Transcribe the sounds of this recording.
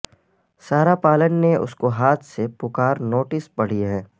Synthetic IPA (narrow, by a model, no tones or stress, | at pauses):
saːɾapaːlənːeʊ̰skoɦaːt̪ʰsepʊkaːɾnoːʈɪsbɐɽ̤ieɦɛ̃ː